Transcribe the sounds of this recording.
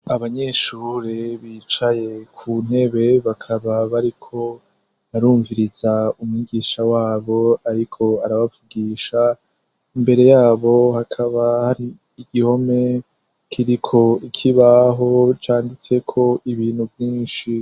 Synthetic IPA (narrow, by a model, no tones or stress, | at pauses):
aβaɲeʃuɾeβiːt͡ʃaje̞kʰuːn̥he̞βe̞βakʰaβaβaɾikʰo̞ | aɾuːɱviɾizaumŋiɡiːʃawaːβo̞aɾikʰo̞aɾaβavuɡiːʃa | imbe̞ɾe̞jaːβo̞hakʰaβahaɾiː | ɡiho̞me̞ | kʰiɾikʰo̞ikʰiβaɦo̞t͡ʃaːndit͡se̞kʰo̞iβiːn̥huvjiːnʃi